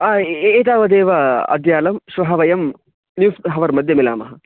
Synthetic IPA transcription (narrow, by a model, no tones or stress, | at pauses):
aːeːt̪̬aːʋɐd̪eːʋɐɐ̰d̪jaːlɐmʃʋɐɦɐʋɐjɐm | njuːsɦɐʋɐɾmɐd̪ʱjɐmila̰ːmɐɦɐ